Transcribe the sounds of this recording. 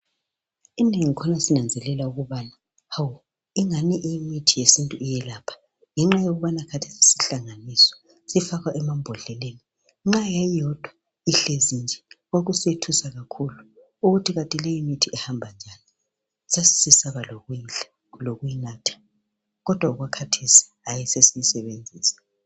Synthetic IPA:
ineŋikʰɔnasinand͡zʱɛlɛlauɣuβaːna | haw | iŋaniʔijimitʰijesintʼuijɛlaːpʰḁ | ŋɛŋ͡ǁajoɣuβanakʰatʰe̥si̥siɬaŋanisɔ̥ | sifaɣaʔɛmambʱɔɮɛleni | ŋ͡ǁajajɔd̥ʱwa | iɬezind͡ʒʱɛɣoɣusietʰusaɣakʰulu | uɣutʰiɣatʼilejimitʰiɛhambʱand͡ʒʱani | sasi̥sisaβaloɣujiɬḁ | loɣujinaːtʰḁ | ɣɔd̥ʱwauɣwakʰatʰesi̥ | ajisesiisɛβend͡zʱiːsḁ

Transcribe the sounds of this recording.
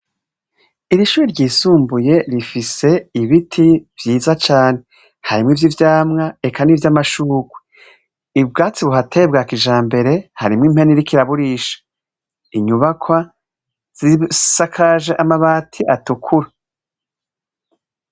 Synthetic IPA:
iɾiʃuːɾiɾɟiːsuːmbuje̞ɾifise̞iβitʰivjiːzat͡ʃaːne̞ | haɾimŋivjivjaːmŋaekʰanivjamaʃuːɡwe | ibɡaːt͡siβuɦatʰe̞b̚ɡakiʒaːmbe̞ɾe̞haɾimŋim̥heniɾikiɾaβuɾiːʃḁ | iɲuβakʰwa | z̥isakʰaʒe̞ʔamaβaːtʰiʔatukʰuɾa

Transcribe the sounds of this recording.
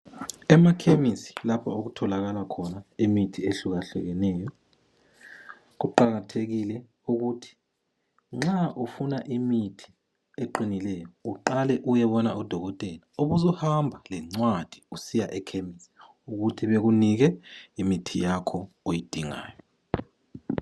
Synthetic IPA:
ɛmakʰemisi̥lapʰaoɣutʰɔlaɣalakʰɔnaimitʰieɬuɣaɬɛ̰ɣɛnɛːjɔ | ɣuǃaɣatʰeɣilɛ | uɣutʰi̥ | ŋ͡ǁaʔufunaʔimitʰi̥ | eǃinilɛjɔuǃalɛʔujɛβɔnaud̥ʱɔɣɔtʼɛlaoβuzɔhambʱalɛŋ͡ǀwad̥ʱi̥usijaʔɛkʰemisi̥ | uɣutʰiβeɣuniɣɛimitʰijakʰɔ | ojid̥ʱiŋa̰ːjɔ

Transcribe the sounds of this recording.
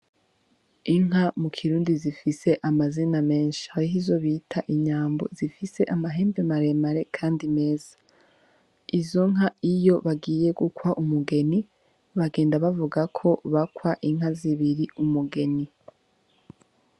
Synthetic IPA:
iŋ̥ɦamukʰiɾuːndizifise̞ʔamaziname̞ːnʃi̥haɾiɦizo̞βitʰaʔiɲaːmbo̞̰zifise̞ʔamaɦe̞ːmbemaɾe̞maɾe̞kʰaːndime̞ːzḁ | izo̞ŋ̥ɦaijo̞βaɡiːje̞ɡukwaʔumuɡe̞ni | βaɡe̞ːndaβavuɡakʰo̞βakwaʔiŋ̥ɦaziβiɾiumuɡe̞ni

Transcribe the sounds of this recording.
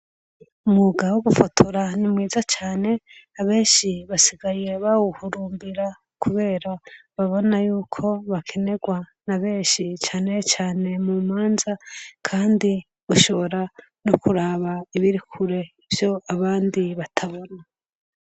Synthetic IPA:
umuɡawoɡufotʰoɾanimwiːzat͡ʃaːne̞ | aβe̞ːnʃiβasiɡaje̞βawuhuɾuːmbiɾa | kʰuβe̞ːɾaβaβo̞najuːkʰo̞βakʰe̞ne̞ɡwanaβe̞ːnʃit͡ʃaːnet͡ʃaːne̞mumaːnzakʰaːndi | uʃo̞βo̞ɾa | nokuɾaːβaiβiɾikʰuɾe̞ivjo̞aβaːndiβatʰaβo̞na

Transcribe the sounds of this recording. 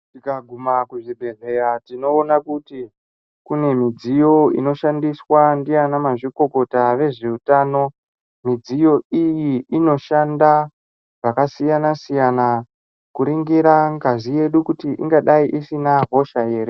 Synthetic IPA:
tikaɡʱumakuʐibʱe̞ɮe̞ɾatino̞ːnakuti | kune̞mid͡zijo̞ḭno̞ʃandiswandijanamaʐiko̞ko̞taʋe̞ʐe̞utaːno̞ | mid͡zijo̞ijiino̞ʃanda | ʐakasijanasijana | kuɾiŋɡiɾaŋɡazije̞ɗukutiʔḭŋɡaɗaiʔisinaɦo̞ʃaeːɾe

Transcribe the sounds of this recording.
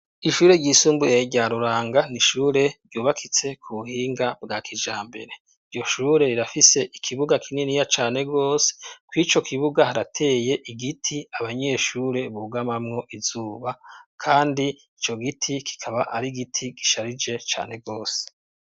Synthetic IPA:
iʃuːɾe̞ɟɟiːsuːmbuje̞ɟaːɾuɾaːŋɡaniʃuːɾe̞ɾɟuːβakʰit͡se̞kʰuβuhiːŋɡabɡaːkʰid͡ʒaːmbe̞̰ɾe̞ | ijo̞ʃuːɾe̞iɾafise̞ʔikʰiβuɡakʰininijat͡ʃaːne̞ɡo̞ːse̥kwit͡ʃo̞kʰiβuɡahaɾatʰe̞ːje̞ʔiɡitʰiaβaɲe̞ːʃuːɾe̞βuɡamamŋo̞ʔizuːβakʰaːndi | it͡ʃo̞ɡitʰikʰi̥kʰaβaʔa̰ɾiɡitʰiɡiʃaɾid͡ʒe̞t͡ʃa̰ːne̞ɡo̞ːse̥

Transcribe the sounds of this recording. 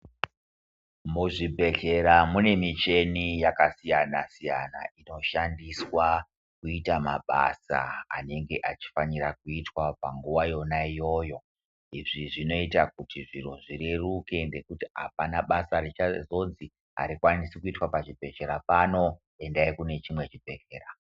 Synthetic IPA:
muʐibʱe̞ɬe̞ɾamune̞mit͡ʃe̞nijakasijanasija̰na̰ino̞ʃandiswa | kuitama̰ɓa̰sa̰a̰ne̞ŋɡe̞ʔat͡ʃi̥faniɾakuitwapaŋɡuʋajo̞naijo̞jo̞ | iʐiʐino̞itak̚utiʐiro̞ʐire̞ruke̞nde̞kutia̰panaɓasaɾet͡ʃazo̞nzi | a̰ɾikwanisikuitwapaʐibʱe̞ɬe̞ɾapano̞ | e̞ndaikune̞t͡ʃimwe̞t͡ʃibʱe̞ɬe̞ːra

